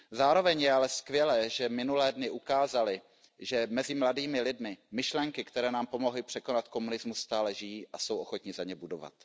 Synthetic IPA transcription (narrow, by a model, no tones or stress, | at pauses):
zaːɾo̞vɛɲjɛalɛskvjɛlɛːʒɛmɪnulɛːdnɪʔukaːzalɪ | ʒɛmɛzɪmladiːmɪlɪdmɪmɪʃlɛŋkɪkt̪ɛɾɛːnaːmpo̞mo̞ɦlɪpr̝̥ɛko̞nat̪ko̞munɪzmusːt̪aːlɛʒɪjiːʔaso̞wʔo̞xo̞t̪ɲɪzaɲɛbudo̞va̰t̪